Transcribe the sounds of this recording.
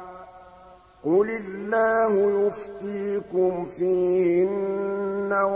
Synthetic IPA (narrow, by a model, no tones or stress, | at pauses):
qʊlɪlːaːhʊjʊft̪iːkʊmfiːhɪnː | aw